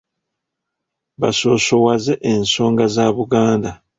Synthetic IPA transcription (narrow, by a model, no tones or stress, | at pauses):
βaso̞ːso̞wazeʔenso̞ːŋɡazaːβuɡaːnda